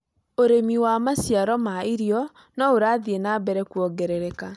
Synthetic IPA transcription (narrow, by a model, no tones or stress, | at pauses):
oɾemiwamasjaɾɔmaiɾiɔ | nɔoɾaːðienabɛɾɛkuɔɡɛɾɛɾɛka